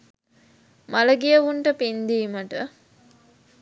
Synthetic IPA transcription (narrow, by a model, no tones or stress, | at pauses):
maləɡijəʋuɳʈəpind̪iːməʈə